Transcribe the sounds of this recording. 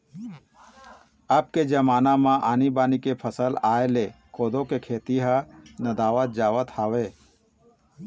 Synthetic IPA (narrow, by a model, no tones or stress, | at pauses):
əb̚ked͡ʒɐmaːnamãʔaːnibaːnikepʰəsəlaːelekoːd̪õkekʰeːt̪iɦənɐd̪aːʋət̪̚d͡ʒaːʋət̪haːweː